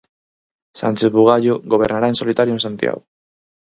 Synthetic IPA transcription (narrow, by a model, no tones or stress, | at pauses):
sa̰nt͡ʃezβuɣ̞aʎoɣo̞β̞e̞ɾnaɾaensolit̪aɾionsant̪ḭa̰ɣ